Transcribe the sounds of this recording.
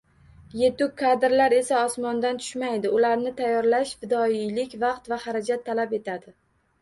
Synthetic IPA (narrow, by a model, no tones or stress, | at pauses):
je̞t̪ʊkʰːad̪ɪɾlaɾe̞saɒsmɒnd̪ant̪ʰʊ̥ʃmajd̪ɪʊlaɾnɪt̪ʰajːɒɾlaʃvɪd̪ɒijlɪkʲvɑqt̪vahaɾad͡ʒat̪ʰːalape̞t̪ʰad̪ɪ